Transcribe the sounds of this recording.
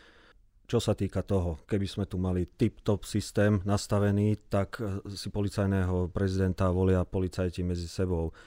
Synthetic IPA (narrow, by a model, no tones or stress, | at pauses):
t͡ʃɔsat̪iːkat̪ɔɦɔkɛbiz̥mɛt̪umalit̪ipt̪ɔpsist̪ɛːmnast̪aʋɛniːt̪aksipɔlit͡sajnɛːɦɔpɾɛzid̪ɛnt̪aʋɔlɪapɔlit͡sajcimɛd͡zisɛbɔʊ